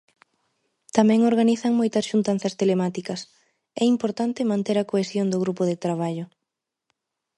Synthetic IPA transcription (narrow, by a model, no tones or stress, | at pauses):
t̪amɛ̃ŋoɾɣaniθɐŋmojt̪ɐsʃunt̪an̟θɐst̪elemat̪ikɐs | ɛimpoɾt̪ant̪ɪmãnt̪eɾɐkoesjoŋd̪ʊɣɾupʊðet̪ɾaβ̞aʎʊ